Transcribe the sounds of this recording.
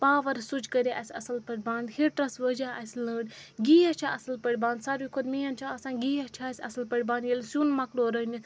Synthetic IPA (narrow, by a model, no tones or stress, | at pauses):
paːʋɐɾsud͡ʒkəɾʲiʔɐsʲɐsɐlpəɽʲbãːnd̪hiʈɾɐsʋəd͡ʒaːʔɐsʲləːɖɡijɐt͡ʃʰaɐsɐlpəɽʲbãːnd̪saɾʋikʰod̪miːjɐnt͡ʃʰaɐsãːnɡiːjɐt͡ʃʰaːsʲɐ̰sɐlpəɽʲbãːnjelsjunmɐkloːɾənis